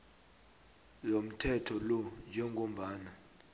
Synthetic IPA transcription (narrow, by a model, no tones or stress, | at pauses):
lom̩tʰɛtʰɔlɔnd͡ʒʱɛŋɡʱom̩ɓaːna